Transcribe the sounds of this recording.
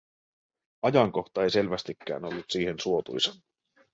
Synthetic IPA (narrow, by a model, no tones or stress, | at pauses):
ɑjɑŋko̞xt̪ɑe̞jse̞lʋæst̪ikːæ̰ːno̞lːut̪siːhensuo̞t̪ṵjsɑ